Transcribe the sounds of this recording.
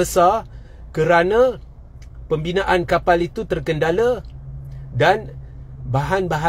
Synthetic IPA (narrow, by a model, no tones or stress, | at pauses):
əsa | kəɾanã | pəmbinaʔankapalit̪ut̪ərkəndala | danbaɦanbaɦa